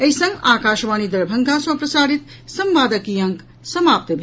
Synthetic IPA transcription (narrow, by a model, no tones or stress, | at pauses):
ɐjsə̃ŋɡaːkaʃʋanid̪ɐɾbʱɐŋɡaswɐ̃pɾɐsaːɾit̪ | sɐmbaːd̪əkijɐŋk | sɐmaːp̚t̪əbʱi